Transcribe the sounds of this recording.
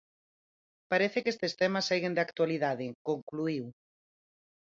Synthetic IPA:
paɾeθekest̪est̪emasejɣend̪akt̪waliðaðɪkoŋkluiw

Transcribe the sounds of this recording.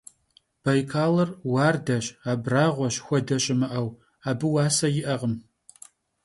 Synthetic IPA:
b̥ɐjkʰaːlɐrwaːrdɐɕaːbraːʁʷɔɕxʷɔdɐɕʼɪmɨʔɐw | aːbɨwaːsɐjɪʔɐʁəm

